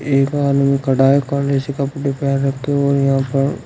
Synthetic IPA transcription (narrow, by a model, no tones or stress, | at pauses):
eːkaːnmĩkɐɖaːekãːnɾeːsikapʊʈːepjaːɾːɐk̚ʰt̪eɦɔːɾjɐɦãːpɐɾ